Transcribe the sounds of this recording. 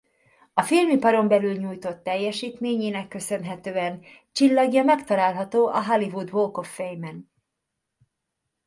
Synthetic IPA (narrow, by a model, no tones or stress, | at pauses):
ɒfilmipɒɾo̞mbɛlylɲuːjt̪o̞t̪ːɛjːɛʃiːt̪meːɲeːnɛkːø̞sø̞nɦɛt̪øːɛn | t͡ʃilːɒɡjɒmɛkt̪ɒlaːlɦɒt̪oːʔɒɦalivud̪ʋolko̞fːɛjmɛn